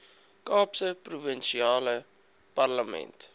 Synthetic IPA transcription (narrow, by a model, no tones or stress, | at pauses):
kɑːpsəpruvənʃiɑːlə | parləmɛ̰nt